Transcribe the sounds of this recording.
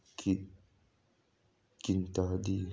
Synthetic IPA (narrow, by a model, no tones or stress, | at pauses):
ki | kint̪adi